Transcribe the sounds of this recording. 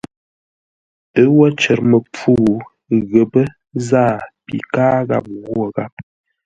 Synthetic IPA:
ə˦wɔ˦t͡ʃə˨ɾmə˨p͡fu˦˨ | ɣə˨bə˦ | zaː˦˨pḭ˨kaː˦ɣa̰˨p̚ɣo˦˨ɣa˦˨p̚

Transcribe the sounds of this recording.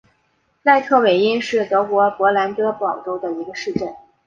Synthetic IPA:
na˥˧ɪt̪ʰɤ˥˩we˨˩ɪi˥nʂɻ̩˥˩t̪ɤ˧˥kwɔ˧˥pwɔ˧˥la˧˥nt̪ɤ˥pɑ˨˩ʊʈ͡ʂo˥ʊd̪ə˨i˧˥ɡə˧ʂɻ̩˥˧ʈ͡ʂə˥˩n

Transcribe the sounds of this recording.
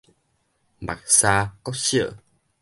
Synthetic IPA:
ɓa̰˨˩k̚saː˧kɔ˨˦sḭ˧˨

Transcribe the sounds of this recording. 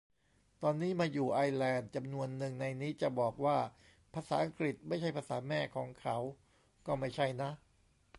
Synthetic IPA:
t̪ɔː˧nːiː˦˥maː˧juː˨˩ʔa˧jlɛː˧nt͡ɕa˧mnu˧ənːɯ˨˩ŋna˧jniː˦˥t͡ɕa˨˩bɔː˨˩k̚waː˥˩ | pʰaː˧saː˩˦ʔa˧ŋkɾi˨˩t̪̚ma˥˩jt͡ɕʰa˥˩jpʰaː˧saː˩˦mɛː˥˩kʰɔː˩˦ŋkʰa˩˦w | kɔː˥˩ma˥˩jt͡ɕʰa˥˩jna˦˥ʔ

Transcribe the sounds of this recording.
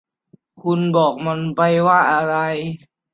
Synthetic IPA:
kʰu˧nbɔː˨˩k̚ma˧npa˧jwaː˥˩ʔa˧ɾa˧j

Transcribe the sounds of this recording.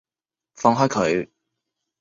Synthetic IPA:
fɔː˧ŋɦɔː˥kʰɵ˨˧ɥ

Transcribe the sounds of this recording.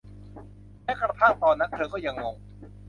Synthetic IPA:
mɛː˦˥kɾa˧t̪ʰaː˥˩t̪ɔː˧˩nːa˦˥k̚t̪ʰɤː˧kɔː˥˩ja˧ŋːo˧ŋ

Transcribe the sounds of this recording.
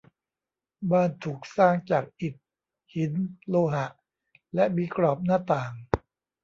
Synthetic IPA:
baː˥˩nt̪ʰuː˨˩k̚saː˥˩ŋt͡ɕaː˨˩k̚ʔi˨˩t̪̚ | hi˩˦nloː˧ɦa˨˩ʔ | lɛ˦˥ʔbiː˧kɾɔː˨˩p̚naː˥˩t̪aː˨˩ŋ

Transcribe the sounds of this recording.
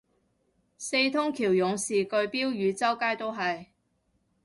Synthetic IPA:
se˧jt̪ʰʊ˥ŋkʰiː˨˩wjʊ˨˧˥ŋsiː˨kɵ˧ɥpiː˥wjyː˨˧t͡sɐ˥wkaː˥jt̪o˥wɦɐ˨j

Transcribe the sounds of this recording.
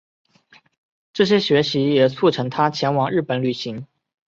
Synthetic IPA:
ʈ͡ʂɤ˥˩ɕ̬jɛ˥ɕɥɛ˧˥ɕi˧˥jɛ˨˩t͡sʰu˥˩ʈ͡ʂʰɤ˧˥ŋt̪ʰa˥t͡ɕʰjɛ˧˥nwɑ˨˥ŋɻ̩˥˩pə˨˩˦nly˨˩ɕi˧˥ŋ

